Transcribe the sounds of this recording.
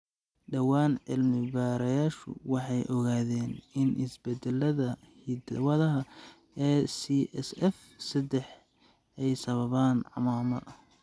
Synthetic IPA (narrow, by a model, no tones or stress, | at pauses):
ɖɐwaːnʕɪlmɪbaːɾɐjaːʃʊ̰wɑħɑjʔɔɣaːðɛːnɪnʔɪsbɛd̪ɛlɐðɐ | hid̪ɐwɐðɐɦɐ | ɛːsiʔɛsɛf | sɐd̪ɛħ | ɛjsɐβɐβaːnʕɑ̰maːmɐʔ